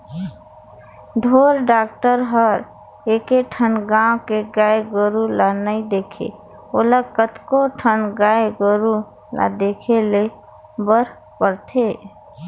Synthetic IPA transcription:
ɖʱoɾɖakʈəɾɦəɾ | ekeʈʰənɡãwkeɡaeɡəɾulanəid̪ekʰḛ | oləkət̪koʈʰənɡaeɡəɾu | la̰d̪ekʰele | bəɾ | pəɾt̪ʰe

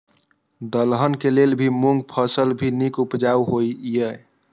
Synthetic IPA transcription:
d̪əlɦənkelelbʱimuŋɡ̚pʰəsəlbʱinikupd͡ʒauɦoiijə

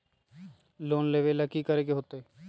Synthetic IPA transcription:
loːnleːʋeləkikəɾeːɡeɦoːt̪oeː

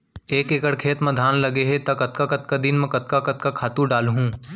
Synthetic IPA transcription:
eːkeːkəɽkʰeːt̪mɐ̃d̪ʱaːnlɐɡeɦet̪ɐkɐt̪kakɐt̪̚kad̪ɪnmẽkɐt̪kakɐt̪kakʰaːt̪ũɖaːlɦũː

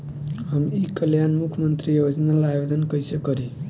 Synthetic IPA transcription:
həmikəljanmukʰmənt̪ɾiəəd͡ʒənalabed̪ənkəjsəkəɾi

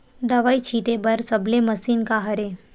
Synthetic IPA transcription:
d̪əʋait͡ʃʰit̪ebəɾsəbleməsinkaɦəɾe

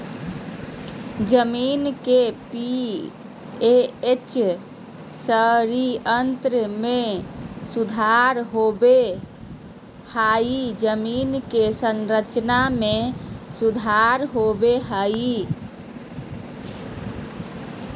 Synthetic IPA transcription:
d͡ʒəminkepi | eet͡ʃ | səɾiənt̪ɾmesud̪ʱaɾɦobe | haid͡ʒəminkesənɾət͡ʃnamesud̪ʱaɾɦobeɦai

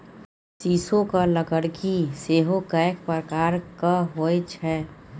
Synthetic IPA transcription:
siːsõkaləɡəɽkiseːɦokaekpɾəkaːɾkaɦoet͡ʃʰɛː

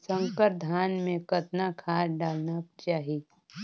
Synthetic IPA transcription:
sə̃ŋkəɾd̪ʱaːnmẽkət̪nakʰaːɾɖaːlnat͡ʃaːɦie

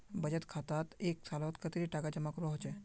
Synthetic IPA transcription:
bɐd͡ʒət̪kʰaːt̪aːt̪eːksaːlot̪kɐt̪eɾiʈaːkad͡ʒəmakɾɔɦt͡ʃɛ

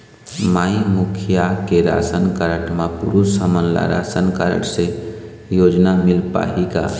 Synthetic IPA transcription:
maimukʰijakeɾa̰sənkəɾəʈmapuɾusəmənla̰ɾa̰sənkaɾə̰ʈse | jod͡ʒnamilpa̰ɦika̰

